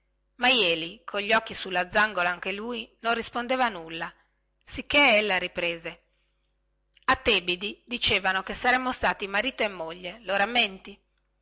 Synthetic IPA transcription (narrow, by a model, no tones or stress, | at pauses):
majɛːlikʰoʎːiɔkːisulːad̪zːaŋɡolaaŋk̟eluːinonrispond̪eːvanulːa | sikːeelːaɾipɾeːze | at̪ːeːbid̪id̪it͡ʃeːvanokesaɾɛmːost̪aːt̪imaɾiːt̪oemːoʎːeloɾamːent̪i